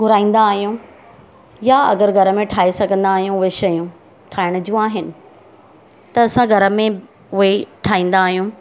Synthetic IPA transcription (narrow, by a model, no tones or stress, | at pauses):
ɡʊɾaːĩːn̆d̪aːɦijũ | jaɐ̰ɡəɾɡʱɐɾəmẽʈʰaːesɐɡʱə̃nd̪aːɦijũʊɦeʃɐjũ | ʈʰaːɪɽ̃ʊd͡ʑiũaːɦɪnɪ̆ | t̪ɐːsãɡʱɐɾəmẽ | ʊɦeʈʰaːĩːn̆d̪aːɦijũ